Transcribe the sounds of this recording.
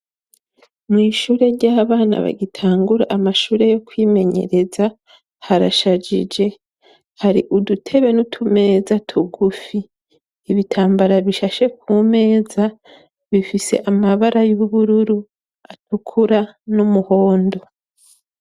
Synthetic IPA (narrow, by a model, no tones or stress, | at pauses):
mŋiːʃuːɾe̞ɾɟaːβaːna̰βa̰ɟitʰaːŋɡuɾa̰ʔmaʃuːɾe̞jo̞kwiːme̞ɲe̞̰ɾe̞za | haɾa̰ʃad͡ʒḭd͡ʒe̞ | haɾḭʔudutʰe̞βe̞nutʰume̞ːzatʰuɡufiː | βitʰaːmbaɾaβiʃaʃe̞k̚ʰume̞ːza | βifise̞̰ʔamaβaɾajuβuɾuɾu | atukʰuɾanumuho̞ːndo̞